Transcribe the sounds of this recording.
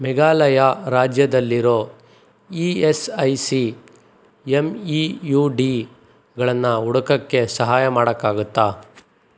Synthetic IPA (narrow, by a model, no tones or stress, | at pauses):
mɛɡaːlɐjaɾaːd͡ʒjɐd̪ɐlːiɾo̞ː | iːesɐjsi | emijuːɖiː | ɡɐɭɐnːɐuɽɐkɐkːe̞sɐɦaːjɐmaːɽɐkːaːɡut̪ːaː